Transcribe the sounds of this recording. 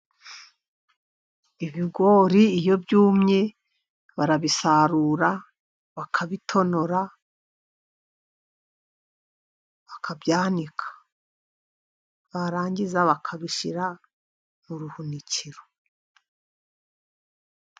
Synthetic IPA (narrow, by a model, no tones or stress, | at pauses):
iβiɡo̞ːɾiːjo̞bjuːmɲe̞ | βaɾaβisaɾuɾa | βakʰaβitʰo̞no̞ɾa | βakʰabjaːnikʰḁ | βaɾaːɲɟizaβakʰaβiʃiɾa | nuɾuhuniciɾo̥